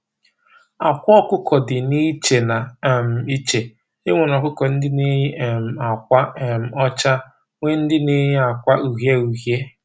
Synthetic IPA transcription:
a˨kʷɔ˦kʊ˦kʰɔ˨dɪ˨ni˦t͡ʃe˨na˨m̩˨i˦t͡ʃe˨ | ɪ˦ŋʷe˨nɔ˨kʊ˦kɔ˨n̩˦dɪ˦ne˦ɦm̩˨a˨kʷa˦˨m̩˨ɔ˦t͡ʃa˦ | ŋʷe˦n̩˦dɪ˦ne˦ɦe˦a˨kʷa˦u˨ɦje˦u˨ɦje˦

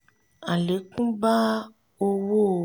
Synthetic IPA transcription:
a˨le˨˦kũ˦ba˦ | wo˦wo˦˨

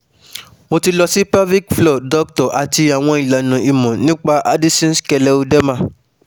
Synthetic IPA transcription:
mo˧ti˧lɔ˧si˦pa˦bli˦kflɔ˦˨dɔ˦k̚tɔ˨ʔa˨ti˧a˨w̃ɔ̃˧i˨la˨nũ˨i˨mɔ̃˨nĩ˦k͡pa˦ʔa˦di˦sĩ˦skɛ˧lɛ˦o˧dɛ˦mã˦

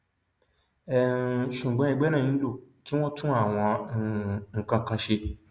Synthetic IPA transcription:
ɛ˦˨ʃũ˨ɡ͡bɔ̃˨˦ɛ˧ɡ͡bɛ˦nã˦˨ĩ˨˦lo˦˨ki˦w̃ɔ̃˦tũ˦a˦˨w̃ɔ̃˧ | ŋ̩˨kã˧kã˧ʃe˧

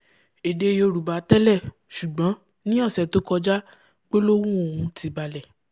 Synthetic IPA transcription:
e˨de˧jo˧ɾu˨ba˨˦tɛ˦lɛ˦˨ | ʃu˨ɡ͡bɔ̃˨˦ | nĩ˦ɔ˦˨sɛ˨to˨˦kɔ˧d͡ʒa˦ | k͡pe˦lo˦wũ˦o˨hũ˧ti˨˧ba˧lɛ˨

